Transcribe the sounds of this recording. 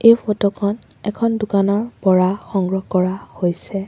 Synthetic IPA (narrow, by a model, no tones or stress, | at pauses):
ejpʰɔtɔkʰɔn | ɛkʰɔndʊkanɔɹpɔɹaxɔŋɡɹɔkɔɹahojsɛ